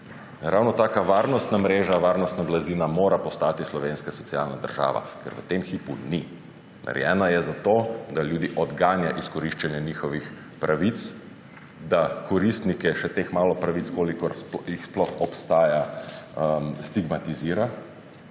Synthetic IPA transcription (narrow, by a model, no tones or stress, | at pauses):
ɾʔawnɔt̪aːkaʋaːɾnɔst̪namɾeːʒaʋaːɾnɔst̪nablazinamoːɾapɔst̪aːt̪islɔʋeːnskasɔt̪sia̰ːlnad̪ə̰ɾʒa̰ːʋa̰kɛ̰ɾʋə̰t̪emxipuni | mɛ̰ɾjɛ̰ːnajɛzat̪oːd̪aljuːd̪iʔɔd̪ɡaːnjaʔiskɔɾiʃt͡ʃɛnjɛniːxɔʋix | pɾʔaʋit̪s | d̪akɔɾist̪nikɛʃɛt̪eːxmaːlɔpɾaʋit̪skoːlikɔɾspjixsplɔxɔpst̪aːja | mst̪iɡmat̪iziːɾa